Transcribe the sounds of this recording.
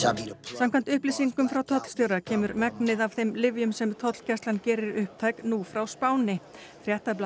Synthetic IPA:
samkʰan̥t̪ʏhpliːsiŋkʏmfɾawt̪ʰɔt̪l̥st̪jowɾacʰɛːmʏɾmɛknɪðav̥θejmlɪvjʏmsɛmt̪ʰɔt̪l̥cʰɛst̪lancɛːɾɪɾʏhp̚t̪ʰaːjknufɾawspaːwnɪ | fɾjɛht̪apla

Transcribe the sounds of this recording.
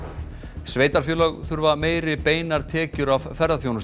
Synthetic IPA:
sveːjt̪aɾ̥fjœːlœɣθʏɾvameːjɾɪpeːjnaɾ̥t̪ʰɛːcʏɾavfɛɾðaθjowns

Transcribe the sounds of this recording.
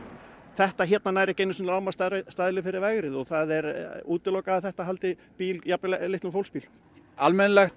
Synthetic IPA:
θɛht̪açɛt̪̚nanaːjɾɪcejnʏs̬ɪnɾaːwmast̪st̪aðɪlɪfɪɾɪɾvɛɣɾɪðɔɣθaðɛɾuːt̪ɪlɔːwkaːðθɛht̪aɦalt̪ɪ | piːljapɪlɛlɪjh̪tnʏfowlspiːl | almɛnalɛxt̪

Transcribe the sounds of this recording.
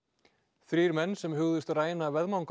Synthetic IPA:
θɾiːɾmɛnːsɛmɦʏɣðʏst̪araːjnaːvɛðmawŋk

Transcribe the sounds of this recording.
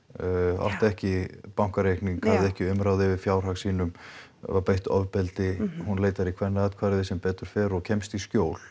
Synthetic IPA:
ɔ̰ht̪ɛhcɪpawŋ̥kaɾejkniŋkʰaːðɪɛhcɪʏmɾaːwðɪvɪ̥fjawr̥haksiːnʏm | ɛ̰vapejht̪ɔ̰vpɛlt̪ɪhunleːjt̪aɾikʰvɛnːɪat̪kʰvaːɾɪðɪsɛmpɛːt̪ʏɾ̥fɛːɾɔɣcʰɛmst̪iscjoːwl̥

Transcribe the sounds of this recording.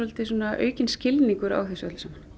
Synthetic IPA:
ɔlt̪ɪsuːnaʔœ̰ːɥcɪnscɪlniŋkʏɾa̰ːwθisœt̪laman

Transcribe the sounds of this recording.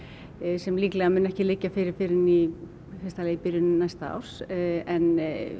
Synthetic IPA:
sɛmliːklɛɣamʏnɛhcɪlɪcːafɪːɾɪɾfɪːɾɪni | fɪ̥st̪aleːjpɪɾʏnnajst̪aa̰wsɛn

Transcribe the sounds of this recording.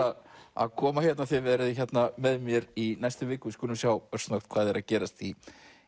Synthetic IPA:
aa̰ðkʰɔːmaçɛt̪naθjɛvɛɾðɪçɛt̪namɛðmjɛɾinajst̪ʏvɪːkʏskuːlʏmsjawœ̥snɔxt̪̚kʰv̥aːðɛɾaðcɛːɾast̪i

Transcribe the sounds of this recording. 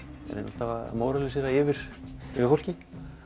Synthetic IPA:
ɛ̰nḛnɔ̰l̥t̪hava̰moːwɾalɪs̬ɪɾaɪvɪɾ̥ɪvɪɾfowl̥cɪ

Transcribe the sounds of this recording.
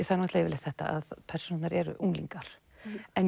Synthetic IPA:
θaɾnat̪lɪvɪlɛt̪θɛht̪a̰ʔa̰ðpʰɛr̥sunaɾɛɾʏ̰ʔuŋlḭŋkaɾ̥ | ɛn

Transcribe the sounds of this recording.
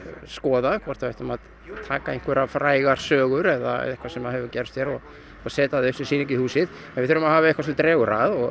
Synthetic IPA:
skɔːðakʰvɔr̥t̪avejht̪ʏmað | t̪ʰaːkaejŋ̥kvɛɾavfɾaːjɣaɾ̥sœːɣʏɾɛða̰ɛhkvasɛmaðhɛvʏɾcɛɾ̥st̪çɛɾɔɣ | ɔsɛːt̪aaðʏhsʏsiːnɪcihuːsɪð | ɛnvɪðθʏɾʏmahaːvaɛhkvas̬ɛmt̪ɾɛːɣʏɾa̰ðɔ

